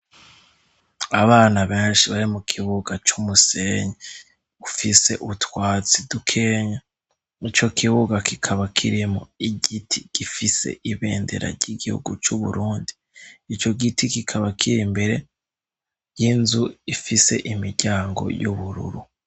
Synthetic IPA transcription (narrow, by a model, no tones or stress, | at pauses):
aβaːnaβeːnʃiβaɾimukʰiβuɡat͡ʃumuseːɲa | ufise̞̰ʔutwaːt͡sidukʰeːɲa | it͡ʃo̞kʰiβuɡakikʰaβakʰiɾimo̰iɟitʰiɡ̥ifise̞̰ʔiβe̞̰ːndḛɾa̰ɾɟiɡihṵɡut͡ʃuβṵɾuːndi | it͡ʃo̞ɡitikikʰaβakʰiɾimbe̞ɾe̞ | jinzuifise̞̰ʔimiɾɟaːŋɡo̞̰juβuɾṵɾu